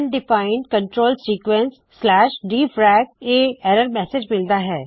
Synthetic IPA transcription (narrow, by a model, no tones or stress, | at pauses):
nɖɪfaːɪ̃ɳɖkɐ̃ɳʈɾoːlsiːkʋə̃nsːlɛːʃɖiːfʰɾɛːkeːɛːɾəɾmɛːsed͡ʒmɪlt̪aɦɛː